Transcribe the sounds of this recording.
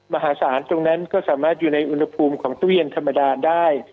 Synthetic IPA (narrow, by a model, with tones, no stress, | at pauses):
ma˧ɦaː˩˦saː˩˦nt̪o˧ŋna˦˥nkɔː˥˩saː˩˦maː˥˩t̪̚juː˨˩na˧jʔu˧nha˧pʰuː˧mkʰɔː˩˦ŋt̪wi˥˩ənt̪ʰa˧mːa˧daː˧daː˥˩j